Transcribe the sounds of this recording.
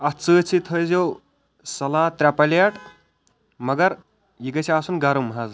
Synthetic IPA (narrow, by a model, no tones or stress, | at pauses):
ɐt͡səːt͡sʰit̪ʰəjzew | sɐlaːt̪ɾʲapɐlɐʈ | mɐɡɐɾ | jiɡɐt͡ʃʰiaːsunɡɐɾumɦɐz